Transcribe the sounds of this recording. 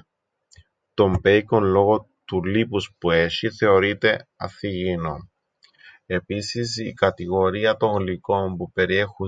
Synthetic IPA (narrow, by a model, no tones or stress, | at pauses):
t̪o̞mbe̞jkonlo̞ɣo̞ | t̪ulipuspue̞ʃiθe̞o̞ɾit̪e̞ɐ̰θiʝino | e̞pisis̬ikɐt̪iɣo̞ɾiɐt̪o̞ŋɣliko̞mpupe̞ɾie̞xu